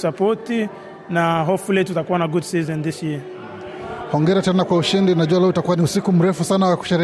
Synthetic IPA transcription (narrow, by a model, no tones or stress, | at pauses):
sapɔti | naɦɔfulɛtutakuwanaɡudsizɛndiʃi | hɔŋɡɛɾatɛnakwauʃindinaʄuwalautakuwanisikum̩ɾɛfusanawaku̥ʃɛɾ